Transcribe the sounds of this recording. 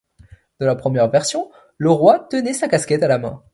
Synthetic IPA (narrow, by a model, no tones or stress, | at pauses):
d̪̥ə̃lapχəmjɛʁvɛʁsjɔ̃ | ləʁwat̪ənɛsakaskʲɛt̪alamɛ̰̃